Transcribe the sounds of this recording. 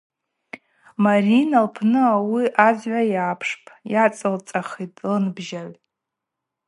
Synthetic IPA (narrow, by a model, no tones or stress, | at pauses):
marinalpʰnɨawiʔad͡zʕʷajaːpʰʂpʼjat͡sʼɨlt͡sʼaχitʼlɨnbʒaʕʷ